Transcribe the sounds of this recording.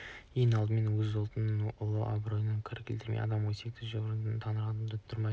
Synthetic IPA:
jejnɑlˠd̪əme̞nwɵzʊlˠt̪ənənʊlˠəʔa̰bɾo̞jənəkʲʰɪɾkʲɪlt̪ɪɾmejɑ̰d̪ɑmwojsek̚t̪ɪzʒoɾənd̪ənt̪ʰɑnəɾɑt̪ənd̪ət̪ʰːʊɾmɑj

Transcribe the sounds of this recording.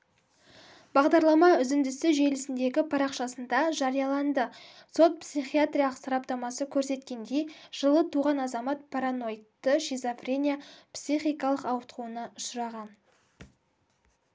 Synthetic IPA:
b̥ɑʁd̪ɑɾlˠɑmɑʏzɪnd̪ɪsɪʒe̞lɪsɪnd̪e̞ɡʲɪpʰɑɾɑqʃɑsənd̪ɑʒɑɾijɑlˠɑnd̪əso̞t̪̚psiχijat̪ɾʲijalˠəqsɑɾɑp̚t̪ɑmɑsəkʲʰɵɾse̞t̪kʲe̞nd̪e̞jʒ̥əlˠət̪ʰuʁɑnɑzɑmɑt̪̚pʰɑɾano̞jt̪ːəʃizofrʲe̞nʲijapsijχijkɑlˠəqɑwət̪quənɑʊʃəɾɑʁɑn

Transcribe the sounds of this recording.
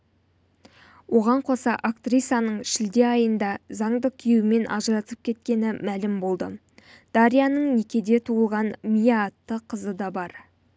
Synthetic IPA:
wo̞ʁɑɴqʰo̞sɑʔakt̪rijsɑnəɴʃɪld̪e̞ɑjənd̪ɑzɑɴd̪əkʲʰijewɪme̞nʔɑ̰ʒəɾɑt̪əp̚kʲʰe̞t̪̚kʲe̞nɪmælɪmbo̞lˠd̪ə | d̪̥ɑɾijanəɴnekʲe̞d̪e̞t̪ʰuəlˠʁɑnmijaːt̪ːəqʰəzəd̪ɑbɑɾ

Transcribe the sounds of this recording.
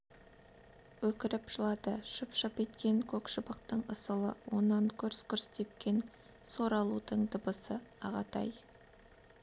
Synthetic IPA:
wɵkʲɪɾɪpʒ̥əlˠɑd̪əʃəpʃəpet̪kʲe̞ŋkʲʰɵkʃəbəqt̪əɴəsəlˠəwo̞nːɑŋkʲʰɵɾskʰʲʏɾst̪e̞p̚kʲe̞n | so̞ɾɑlˠud̪əɴd̪əbəsəɑʁɑt̪ʰɑ̰j

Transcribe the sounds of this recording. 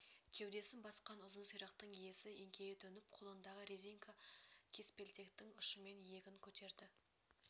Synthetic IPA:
kʲʰe̞wd̪e̞sɪmbɑsqɑnʊzənsijɾɑq̚t̪əɴije̞sɪeŋkʲʰe̞jɪt̪ʰɵnɪp̚qʰo̞lˠənd̪ɑʁəɾeziŋkʰakʲʰe̞spe̞lt̪e̞kt̪ɪŋʏʃəme̞nje̞ɡʲɪŋkʲʰɵt̪e̞ɾd̪ɪ

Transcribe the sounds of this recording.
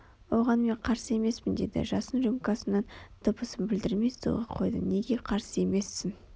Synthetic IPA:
wo̞ʁɑnme̞ɴqʰɑɾsəe̞me̞spɪnd̪e̞d̪ɪ̰ʒɑsənʒimkɑsənɑnd̪̥əpəsəmbɪld̪ɪɾmest̪ṵʁɑqʰo̞̰jd̪ə̰ne̞ɡʲe̞qʰɑɾsəe̞me̞sːɪn

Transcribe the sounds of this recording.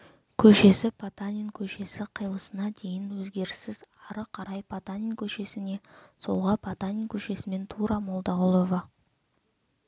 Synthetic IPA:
kʲʰɵʃe̞sɪpʰat̪anʲinkʲʰɵʃe̞sɪqʰəjlˠəsənɑd̪e̞jɪnwɵzɡʲe̞ɾɪsɪzɑɾəqʰɑɾɑjpʰat̪anʲinkʲʰɵʃe̞sɪne̞so̞lˠʁɑpʰat̪anʲiŋkʲʰɵʃe̞sɪme̞nt̪ʰuɾɑmo̞lˠd̪ɑʁʊlˠovɑ

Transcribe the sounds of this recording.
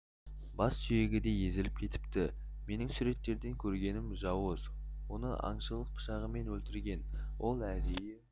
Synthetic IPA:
bɑsʒʏje̞ɡʲɪd̪e̞je̞zɪlɪp̚kʲʰe̞t̪ɪ̥pt̪ɪ | me̞nɪŋsʊɾe̞t̪ːe̞ɾd̪e̞ŋkʲʰɵɾɡʲe̞nɪmʒɑwəzwo̞nə̰ʔɑ̰ɴʃəlˠəq̚pʰə̥ʃɑʁəme̞nwɵlt̪ɪɾɡʲe̞nwʔo̞lˠæd̪eje

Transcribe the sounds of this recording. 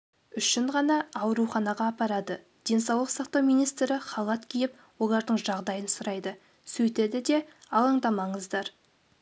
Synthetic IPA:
ʏʃɪɴʁɑnɑːwɾuχɑnɑʁɑːpɑɾɑd̪ə | d̪̥e̞nsɑwlˠəqsɑqt̪ɑwmijnijst̪ɾɪχɑlˠɑt̪kʲʰijɪp̚ | wo̞lˠɑɾd̪əɴʒɑʁd̪ɑjənsʊɾɑjd̪ə | sɵjt̪ed̪ɪd̪e̞ɑlˠɑɴd̪ɑmɑɴəzd̪ɑɾ

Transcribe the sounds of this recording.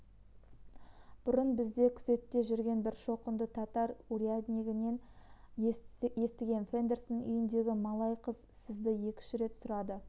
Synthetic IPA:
b̥ʊɾənbɪzd̪e̞kʲʰʏ̥ze̞t̪ːe̞ʒʏɾɡʲe̞nbɪɾʃo̞qənd̪ət̪ʰɑt̪ɑɾuɾiad̪nʲiɡʲɪne̞n | je̞st̪ɪɡʲe̞nfe̞nd̪e̞rsonʏ̰jɪnd̪e̞ɡʲɪmɑlˠɑjqəzsɪzd̪ɪje̞kʲɪ̥ʃɪɾe̞t̪sʊɾɑd̪ə

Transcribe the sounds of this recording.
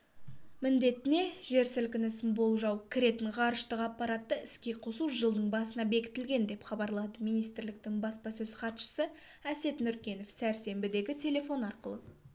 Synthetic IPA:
mɪnd̪e̞t̪ɪne̞ʒe̞ɾsɪlkʲɪnɪsɪnbo̞lˠʒɑwkʲʰɪɾe̞t̪ɪɴʁɑɾəʃt̪əqɑpːɑɾɑt̪ːəɪskʲe̞qʰo̞suʒəlˠd̪əɴbɑsənɑbe̞kʲɪ̥t̪ɪlɡʲe̞nd̪e̞pχɑbɑɾlˠɑd̪əmijnijst̪ɪɾlɪk̚t̪ɪŋbɑspɑsɵz̥χɑt̪ʃə̥sə | æse̞t̪nʏɾkʲe̞no̞fsæɾse̞mbɪd̪e̞ɡʲɪt̪ʲʰe̞lʲe̞fo̞nɑɾqəlˠə

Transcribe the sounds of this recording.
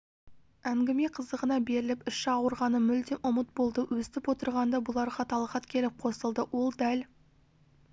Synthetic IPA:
æŋɡʲɪme̞qʰəzd̪əʁənɑbe̞ɾɪlɪpʏʃɑɑwəɾʁɑnəmʏld̪eʔʊmət̪̚bo̞lˠd̪əwɵst̪ɪpwo̞t̪əɾʁɑnd̪ɑbʊlˠɑɾʁɑt̪ʰɑlˠʁɑt̪kʲʰe̞lɪp̚qʰo̞səlˠd̪əwo̞lˠd̪æl

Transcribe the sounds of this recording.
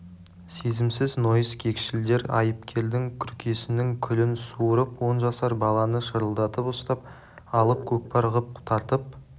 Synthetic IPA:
se̞zɪmsɪzno̞jəskʲʰe̞kʲʃɪld̪e̞ɾɑ̰jəp̚kʲʰe̞ɾd̪ɪŋkʲʰʏɾkʲʰe̞sɪnɪŋkʲʰʏlɪnsuɾəpwo̞nʒɑsɑɾbɑlˠɑnəʃəɾəlˠd̪ɑt̪əpʊst̪ɑp̚ | ɑlˠəp̚kʲʰɵk̚pɑɾʁəp̚ʊt̪ʰɑɾt̪əp̚

